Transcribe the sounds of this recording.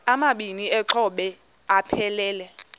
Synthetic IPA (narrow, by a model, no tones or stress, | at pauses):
amaɓiniɛǁʰɔɓɛ | apʰɛlɛːlɛ